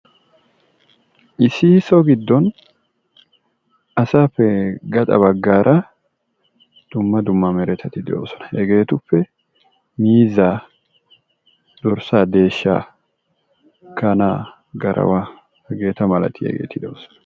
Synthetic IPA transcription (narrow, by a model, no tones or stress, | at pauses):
ʔɪsɪsɔɡɪd̪ːɔn | ɐsaːpːɛɡɐt̪ʼɐ̰bɐɡːaːɾʔɐ | d̪̥ʊmːɐd̪ʊmːɐmɛɾɛt̪ʰɐt̪ɪd̪ɛo̰ːsɔ̥nɐʔɛɡe̞ːt̪ʊpːɛ | miːza | d̪ɔɾsaːd̪e̞ːʃːa̰ː | kɐnaː | ɡɐɾɐ̰wa | ɛɡe̞ːt̪ɐmɐlɐ̰t̪ʰɪɛ̰ɡe̞̰ːt̪ːɪd̪o̰ːsɔ̥nɐ̥